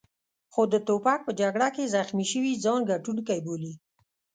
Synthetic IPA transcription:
xod̪ət̪opak̚pəd͡ʒaɡɽakezaxmiʃəwizɑnɡaʈunkajboli

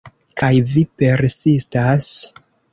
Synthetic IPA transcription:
kajvipe̞ɾsistas

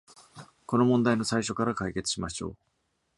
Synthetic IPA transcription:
ko̞no̞mõ̞nd̪aino̞saiɕo̞kaɾakaike̞t͡sɨ̥ɕimaɕo̞̰ː

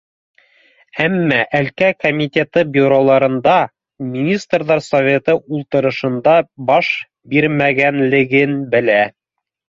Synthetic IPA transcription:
æmːæʔælkækomʲit̪ʲet̪ɤbiɾolˠɑɾɤ̆nd̪ɑ | mʲinʲist̪rðɑɾsovʲe̞t̪ɤʔulˠt̪ɤ̆ɾɤ̆ʃɤ̆nd̪ɑbɑʃ | biɾmæɡænlɘ̆ɡɘnbɘ̆læ

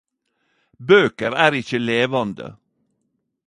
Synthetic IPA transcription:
bøːkəɾæːɾɪçəleːʋɑnd̪ə̰

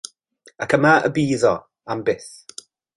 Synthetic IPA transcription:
akʰəmaə̰biːðɔ | ambɪθ

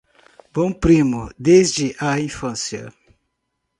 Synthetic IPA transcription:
b̥õpɾĩmʊd̪ezd͡ʒɪʔɐĩfɐ̃sjɐ̰

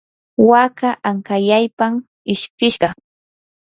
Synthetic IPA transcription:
wakaʔaŋkajajpam | ɪʃkɪʃɢɑ

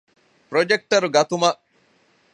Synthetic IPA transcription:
pɾod͡ʒek̚ʈɐɾuɡɐt̪umɐ

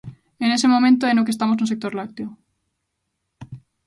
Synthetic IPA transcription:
ene̞se̞mõmẽnt̪oenok̬est̪amosnuse̞k̚t̪o̞ɾlakt̪jo

